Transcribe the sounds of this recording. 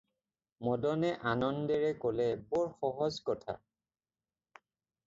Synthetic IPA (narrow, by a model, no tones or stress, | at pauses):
mɔdɔnɛʔanɔndɛɹɛkolɛbɔɹxɔɦɔzkɔtʰa̰